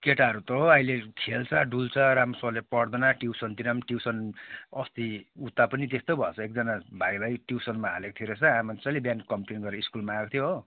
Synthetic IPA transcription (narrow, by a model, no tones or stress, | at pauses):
keʈaʌɾut̪ʌɦoʌjlekʰelt͡sʰʌɖult͡sʰʌɾamsʌlepʌɽd̪ʌnaʈiwsʌnt̪inʌmʈiwsʌnʌst̪iut̪ːapʌnit̪est̪obʱʌt͡sʰʌek̚d͡zʌnabʱajlajʈiwsʌnmaɦalek̚t̪ʰiɾest͡sʰʌamant͡sʌlebjankʌmpenɡʌɾʌiskulmaːkt̪ʰjoɦo